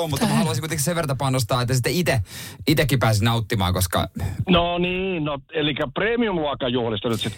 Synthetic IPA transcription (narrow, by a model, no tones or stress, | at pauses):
omut̪ːɑmɑhɑluɑsiŋkuit̪ekiseʋert̪ɑpɑnost̪ɑːet̪ːæsit̪ːæit̪eit̪ekːipæːsnɑut̪ːimɑ̰ːŋkoskɑ̰noniːnoelikːæpreːmiumluɑkːɑjuhlist̪ɑnyt̪sit̪